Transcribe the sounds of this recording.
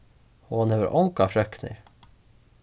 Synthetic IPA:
oːɑneːʋə̰ɾʔɔŋkɑfɾœknɪ̰

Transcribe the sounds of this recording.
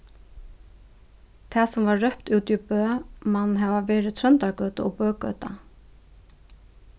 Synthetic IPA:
t̪ʰasʊmvaːœhpt̪uːt̪ipœːmanːɦɛvavɛːɾɪt̪ʰɾœnt̪aɾkœːt̪aʔɔpœːkœ̰ːt̪a̰

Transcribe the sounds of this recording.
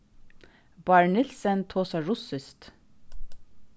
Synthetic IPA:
bɑɹɳɪlsənt̪ʰoːsɑɹʊsʏst̪

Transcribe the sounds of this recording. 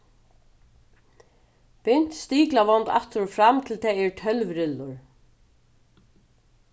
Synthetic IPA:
pɪn̥t̪st̪iːklavɔnt̪a̰ht̪ɾʊfɾamt̪ʰɪlt̪ʰɛːɛɹtʰœlvɾɪlːʊɹ

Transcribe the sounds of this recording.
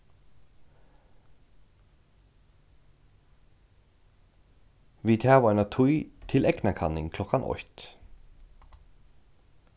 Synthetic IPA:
ʋiːt̪ʰhæːʋœnat̪ʰujt̪ʰɪlɛɡnakʰɑnɪŋkʰlɔkanʔɔ̰ht̪

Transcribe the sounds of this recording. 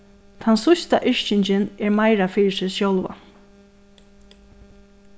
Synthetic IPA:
t̪ʰansʊst̪aʔɪʂt͡ʃɪɲt͡ʃɪnɛɹmajɾafiːɹɪsɪsjowlʋa̰

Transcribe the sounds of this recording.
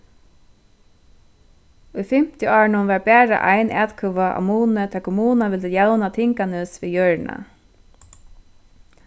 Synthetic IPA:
ujfɪm̥t̪jəɑːɹɳʊnʋɑːɹbæːɹa̰ʔa̰jnʔæ̰ːt̪kʰʊʋaʔmuːnət̪ʰɛkʰʊmuːnaʋɪlt̪əjawnat̪ʰɪŋkanɪsʋiːjœːɹna̰

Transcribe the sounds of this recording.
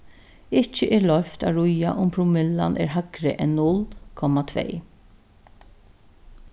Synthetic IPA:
ɪt͡ʃːəʔɛːlɔft̪ɑɾʊjɑʔʊmpʰɾʊmɪlːɑ̰nʔḛːɾɦɑɡɾəʔɛnnːʊlkʰɔmːɑt̪ʰvḛː

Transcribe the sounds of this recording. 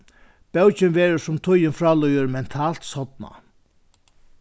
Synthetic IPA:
b̥ɛwt͡ʃɪnʋɛːɾəʂʊmt̪ʰʊjɪnfɾaːlɔjəɾmɛnt̪ʰaːl̥t̪sɔt̪na̰

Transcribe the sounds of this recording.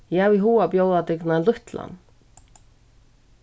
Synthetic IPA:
jawiɦuːapjowðat̪ɪknalʏht̪la̰n

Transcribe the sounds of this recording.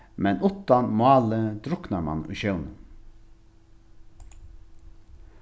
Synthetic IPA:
mɛnʊt̪ɑnmʊɑːləd̪ɾʊknɑɾmɑ̰nʉ̰ːçœʉnə

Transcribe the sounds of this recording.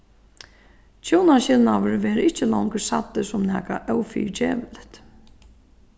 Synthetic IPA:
t͡ɕʰoːnaɕɪlnaʋʏɾʋɛːɾɪht͡ɕːɪlɔwŋksa̰t̪ːɪsʊmnɛːkaʔœwfḭːɾt͡ɕɛːʋɪlt̪

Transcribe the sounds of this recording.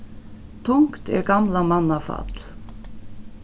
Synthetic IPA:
t̪ʰʊŋkt̪ɛ̰ɾɡamlamanːafa̰t̪l̥

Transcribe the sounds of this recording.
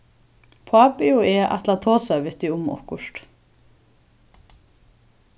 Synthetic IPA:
pʰaːpɪʊɛːʔa̰t̪lat̪ʰoːsaʋɪt̪ɪʊmɔ̰hkʊʂt̪

